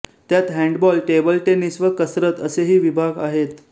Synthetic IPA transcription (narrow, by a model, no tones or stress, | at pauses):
t̪jat̪ɦɛ̃ɳɖbɔlʈebəlʈenisʋəkəsɾət̪əseɦiːʋibʱaɡa̰ɦet̪